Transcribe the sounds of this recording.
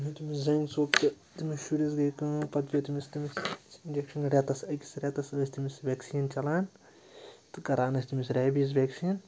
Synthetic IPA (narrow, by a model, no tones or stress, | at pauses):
ɦut̪imiszɐŋɡsoːkt̪ɨ | t̪imisʃuɾis̬ɡɐjkɨːpɐt̪ʲoːt̪imist̪imisind͡ʒekʃɐnɾʲet̪ɐsɐkʲi̥sɾʲet̪ɐsəːsʲt̪imisʋʲeːksiːnt͡ʃɐlaːn | t̪ɨkɐɾaːnɐsʲt̪imisɾʲeːbis̬ʋʲeksiːn